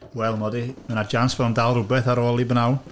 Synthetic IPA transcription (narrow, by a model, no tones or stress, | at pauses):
wɛlˠmɔdimənad͡ʒansvɛlˠndalˠrʊbɛθaɾoːlˠibənawn